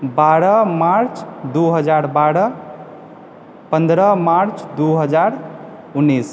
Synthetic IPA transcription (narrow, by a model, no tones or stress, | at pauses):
baɾəmaɾt͡ʃd̪uɦəd͡ʒaɾbaɽʌ | pənd̪ɾəmaɾt͡ʃd̪uɦəd͡ʒaɾ | unːis